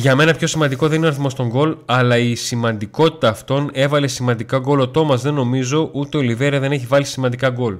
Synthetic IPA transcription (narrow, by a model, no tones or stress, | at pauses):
ʝɐme̞nɐpço̞simɐnd̪iko̞ðe̞ninoɾiθimo̞st̪o̞ŋɡo̞lɐlɐisimɐnd̪iko̞t̪i̥t̪ɐːft̪o̞ne̞vɐle̞simɐnd̪ikɐɡo̞lot̪o̞mɐzðe̞nːo̞mizo̞ʔut̪e̞olive̞ɾɐðe̞ne̞çivɐlisimɐnd̪ikɐɡo̞l